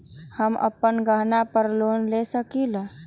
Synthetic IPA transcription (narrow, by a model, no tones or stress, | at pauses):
həmə̰pːənɡəɦnapəɾlonlesəkila